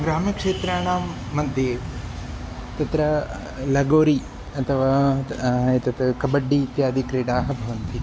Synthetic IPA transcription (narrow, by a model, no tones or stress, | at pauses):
ɡɾaːmjɐkʂeːt̪ɾaːɳaːmːɐd̪jeːʋ | t̪ɐt̪ɾɐ | lɐɡoːɾi | ɐt̪ʰɐʋaː | t̪ɐt̪kɐbɐɖːit̪jaːd̪ʱikɾeːʈaːɦɐ̆bʱɐʋɐnt̪ʰi